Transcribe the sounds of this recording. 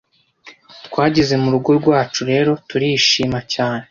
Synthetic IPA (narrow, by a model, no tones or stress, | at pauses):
tkwaːɟize̞muɾuɡo̞ɾɡwaːt͡ʃuɾe̞ːɾo̞tuɾiːʃiːmacaːne